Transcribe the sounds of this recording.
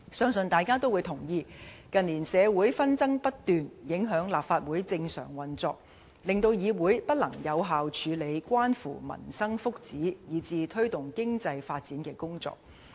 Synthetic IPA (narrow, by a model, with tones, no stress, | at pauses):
sœː˥ŋsɵ˨nt̪aː˨jkaː˥t̪o˥wu˨˧jt̪ʰʊ˨˩ŋjiː˧kɐ˨nlːiː˨˩nsɛː˨˧wuː˨˥jfɐ˥nt͡sɐ˥ŋpɐ˥t̚t̪yː˨njɪ˨˥ŋɦœː˨˥ŋlaː˨p̚faː˧t̚wuː˨˥jt͡sɪ˧ŋsœ̰ː˨˩ŋwɐ˨˩nt͡sɔ̰ː˧k̚ | lɪ˨ŋt̪o˧wjiː˨˧wuː˨˥jpɐ˥t̚lɐ˨˩ŋjɐ˨˧wɦaː˨wt͡ʃʰyː˨˧le˨˧jkʷwaː˥nfṵː˨˩mɐ̰˨˩nsɐ˥ŋfʊ˥k̚t͡siː˨˥jiː˨˧t͡siː˧t̪ʰɵ˥ɥt̪ʊ˨ŋkɪ˥ŋt͡sɐ˧jfaː˧t̚t͡siː˨˥nkɛː˧kʊ˥ŋt͡sɔ̰ː˧k̚